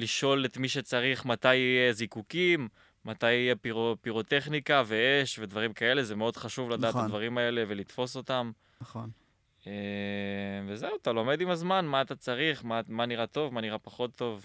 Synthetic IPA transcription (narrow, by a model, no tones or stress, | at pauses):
liʃo̞let̪miʃe̞t͡saʁiχmat̪ajijezikukimː | at̪ajijepiʁopiʁo̞t̪e̞χnikave̞eʃve̞d̪vaʁimkae̞le̞zemeo̞d̪χaʃuvlad̪aːt̪ːad̪vaʁimae̞le̞ve̞lit̪fo̞so̞t̪am | on | e | vezewat̪alo̞me̞d̪imazmanmaːt̪at͡saʁiχmamaniʁat̪o̞vmaniʁapaχo̞t̪ːo̞v